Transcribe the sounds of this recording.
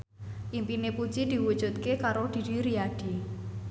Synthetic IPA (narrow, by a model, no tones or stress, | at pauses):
ʔimpinepud̥ʒ̥id̪̥i̤wud̥ʒ̥ṳt̪̚kekaɾod̪̥i̤diɾiaɖ̥i